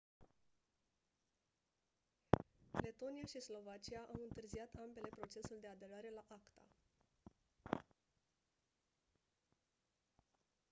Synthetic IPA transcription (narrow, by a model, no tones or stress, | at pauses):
le̞t̪o̞niaʃislo̞vat͡ʃiaʔawɨnt̪ɨrziat̪ambe̞le̞pɾo̞t͡ʃe̞suld̪e̞ad̪e̞ɾaɾe̞laʔakt̪a̰